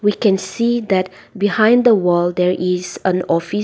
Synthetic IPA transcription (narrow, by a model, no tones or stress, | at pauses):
wikɛ̃nsid̪ɛt̚ | bihãj̃nd̪əwəldɛɹʔisə̃nɔfi